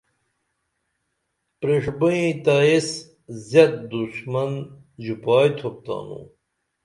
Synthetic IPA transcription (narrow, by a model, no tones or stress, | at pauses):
pɾiʂbuĩt̪ais | zjɐt̪̚d̪usmɐn | d͡ʑupaːjt̪ʰop̚t̪a̰ːnṵ̃ː